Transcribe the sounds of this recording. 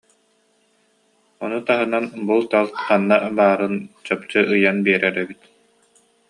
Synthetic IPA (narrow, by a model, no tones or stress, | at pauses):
ɔnut̪aɦɯnanbulˠt̪alˠqanːabaːɾɯnt͡ɕɔp̚t͡ɕɯʔɯjanbiɛɾɛɾɛbit̪